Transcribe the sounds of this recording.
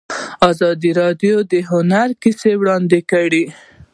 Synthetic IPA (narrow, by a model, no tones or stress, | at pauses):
ɑzɑd̪iɾɑd̪jod̪əɦʊnaɾkisewɽɑnd̪ekaɽi